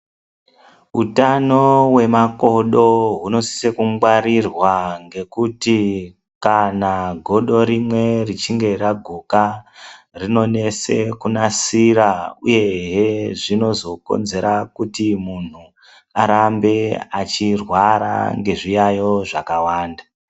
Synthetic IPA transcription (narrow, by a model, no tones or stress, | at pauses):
utano̞we̞mako̞ɗo̞ɦuno̞si̥sekuŋɡwaɾirwaŋɡe̞kuti | kanaɡʱo̞ɗo̞ɾimwe̞rit͡ʃiŋɡe̞raɡʱuka | rino̞ne̞se̞kunasiɾauje̞ɦeʐino̞zo̞ko̞̰nze̞ɾakutimun̤u | aɾambe̞at͡ʃirwaɾa̰ŋɡe̞ʐijajo̞ʐakawaːnda